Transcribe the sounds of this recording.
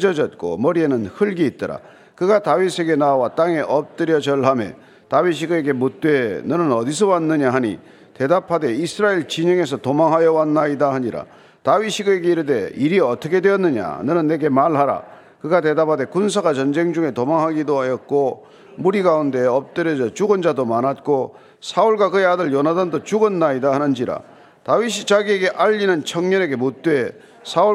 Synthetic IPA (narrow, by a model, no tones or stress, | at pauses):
d͡ʑʌd͡ʑʌt̚k͈o̰mʌɾie̞nɯnhɯɭɡiːt̚t͈ʌɾa̰ | kɯɡatawisʰe̞ɡe̞nawat͈aŋe̞ʔʌp̚t͈ɯɾjʌd͡ʑʌɭɦame̞̰ | tawiɕ̬ʰiɡɯeɡe̞mut̚t͈we̞nɯnɯnʌdis̬ʰowanːɯɲaɦaɲḭ | te̞dapʰade̞isʰɯɾaiɭt͡ɕiɲeŋe̞s̬ʰʌtomaŋɦajʌwanːaidaɦaɲiɾa̰ | tawiɕʰiɡɯeɡe̞iɾɯde̞iɾiʌt͈ʰʌkʰe̞dwe̞ʌnːɯɲa̰nɯnɯnːe̞ɡe̞maɭɦaɾa̰ | kɯɡate̞dapʰade̞kunsʰaɡat͡ɕʌnd͡ʑe̞ŋd͡ʑuŋe̞tomaŋɦaɡidoɦajʌt̚k͈o | muɾiɡaunde̞ʌp̚t͈ɯɾjʌd͡ʑʌt͡ɕuɡɯnd͡ʑadomanat̚k͈o | sʰauɭɡwakɯeadɯɭjʌnɦadandot͡ɕuɡɯnːaidahanɯnd͡ʑiɾa̰ | tawiɕ̬ʰit͡ɕaɡie̞ɡe̞ʔaʎːinɯnt͡ɕʰʌŋɲʌne̞ɡe̞mut̚t͈we̞ | sʰau